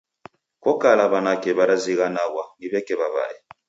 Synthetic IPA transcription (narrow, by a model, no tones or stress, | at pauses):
kɔkalaβanakɛβaɾaziɣanaɣwaniβɛkɛβaβa̰ɛ̰